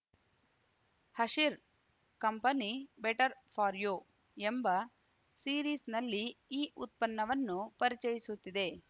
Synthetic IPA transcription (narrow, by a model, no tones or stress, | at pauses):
hɐʂiɾ | kɐmpɐnibeʈɐɾpʰaːɾjoː | embɐ | siːɾiːsnɐlːiiːʔut̪̚pɐnːɐʋɐnːupɐɾit͡ʃɐjisut̪ːid̪e̞